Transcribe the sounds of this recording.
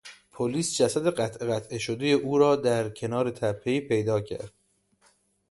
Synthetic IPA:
pʰoliːsd͡ʒæsæd̪e̞ɢæt̪ʰʔeɣæt̪ʰʔeʃod̪ejeʔuːɾɒːd̪æɾcʰe̞nɒːɾe̞t̪ʰæpʰːeiːpʰe̞jd̪ɒːcʰæ̰ɾd̪̥

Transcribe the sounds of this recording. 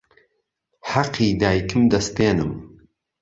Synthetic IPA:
ħɑqʰːiːd̪aːjkʰɨmd̪ɐst̪eːnɨm

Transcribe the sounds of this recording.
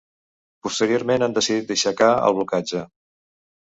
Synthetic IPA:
pust̪əɾioɾmenand̪əsiðit̪d̪əʃəkaə̰lˠβlukad͡ʒə

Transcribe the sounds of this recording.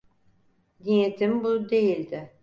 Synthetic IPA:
nijet̪ʰimbud̪e̞jilʲd̪ɪ

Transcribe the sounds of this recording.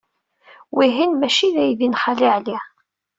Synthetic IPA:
wiɦinmæʃiðæjðinχaliʕli

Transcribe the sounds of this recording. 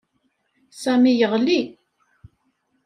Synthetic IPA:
sæmijəʁli

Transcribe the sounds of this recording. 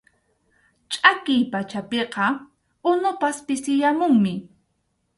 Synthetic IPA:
t͡ʃʼakɪjpat͡ʃapeqɑ | ʊnʊpaspɪsɪjamʊŋmɪ

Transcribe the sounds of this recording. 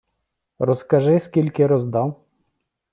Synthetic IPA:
ɾɔskɐʒɪskʲilʲkɪɾɔzd̪ɑw

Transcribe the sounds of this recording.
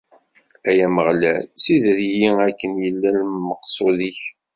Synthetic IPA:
æjæməʁlæ̰lsiðɾjiækːənjəlːælməqsˤʊðiç

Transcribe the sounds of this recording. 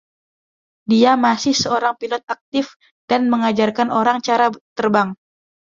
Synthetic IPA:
diamasɪhsəoɾaŋpilɔt̪̚ak̚t̪ɪf | d̥anməŋad͡ʒarkanoɾaŋt͡ʃaɾat̪ərbaŋ

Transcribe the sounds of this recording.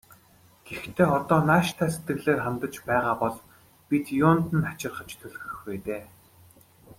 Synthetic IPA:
ɡ̥ext̪ʰeːɔt̪ɔːnaːʃt̪ʰæːset̪ɡɘ̆ɣɮeːrχamt̪ə̆t͡ɕpæːʁaːpɔɮ | pʲit̪jʊːnt̪ɘ̆nat͡ɕɪ̆rχə̆t͡ɕt̪ʰɵɮ̆xɵ̆xpeːt̪eː

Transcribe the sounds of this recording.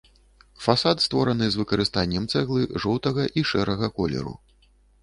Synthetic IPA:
fasat̪st̪vɔɾɐnɨzvɨkɐɾɨst̪anʲːɛmt̪sɛɣlˠɨʐɔwt̪ɐɣɐʔiʂɛɾɐɣɐkɔlʲɛ̰ɾṵ

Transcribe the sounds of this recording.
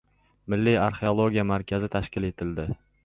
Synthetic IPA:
mɪlːiaɾχeolˠoɡʲijamaɾkʲʰazɪt̪ʰaʃkʲɪle̞t̪ʰɪld̪ɪ

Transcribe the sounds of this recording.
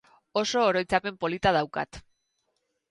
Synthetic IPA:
o̞so̞ːɾo̞jt͡sape̞mpo̞lit̪að̞awka̰t̪

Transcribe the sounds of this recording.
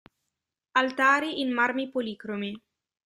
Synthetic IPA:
alt̪aːɾiʔinmaɾmipoliːkɾomi

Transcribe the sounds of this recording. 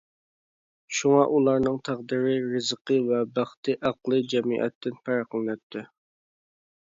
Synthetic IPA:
ʃuŋɑʔulˠɑɾnɨŋt̪ʰæʁd̪iɾɪɾɨzəqəvɛbæχt̪ʰɨʔæqlˠɨd͡ʒɛmḭʔɛ̰t̪ʰːɪnpʰæɾqəlˠnɛt̪ʰːɪ

